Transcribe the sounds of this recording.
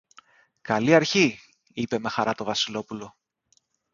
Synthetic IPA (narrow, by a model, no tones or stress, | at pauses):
kɐliɐɾçi | ipe̞me̞xɐɾʔɐt̪o̞vɐsilo̞pulo̞